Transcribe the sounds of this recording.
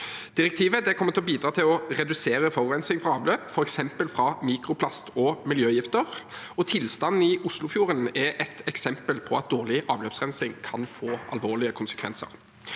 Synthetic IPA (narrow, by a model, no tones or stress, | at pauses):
d̪̥ɪʁɛk̚t̪ʰiːʋəd̪ɛkʰɔmːət̪ʰlɔbiːd̪ɾɑːt̪ʰɪlɔʁɛd̪ʉseːɾəfɔʁɾɛnsɪŋfɾɑɑːʋløːpfɔɾɛksɛmpəlfɾɑmiːkɾʊpʰlɑst̪ʰɔmɪljøːjɪft̪əʁ | ɔt̪ʰɪlst̪ɑnn̩ɪʊslʊfjuːɾənɛʔɛt̪ɛksɛmpəlpʰɔɑt̪̚d̪oːʁɭɪʔɑːʋløːpsʁɛnsɪŋkʰɑnfoːɑ̰lʋoːɭɪəkʰʊnsə̥kʰʋɛ̰nsə̰ʁ